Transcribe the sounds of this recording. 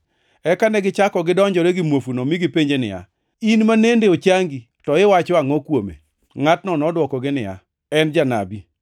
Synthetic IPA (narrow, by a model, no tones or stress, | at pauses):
ɛkanɛɡɪt͡ʃakɔɡɪdɔɲd͡ʒɔɾɛɡɪmwofunomiɡɪpeɲd͡ʒenɪ̰ja̰ | inmanendeot͡ʃaŋɡi | tɔɪwat͡ʃɔaŋɔkwomḛ | ŋatnɔnɔdwɔkɔɡɪnɪja̰ | ɛnd͡ʒana̰bi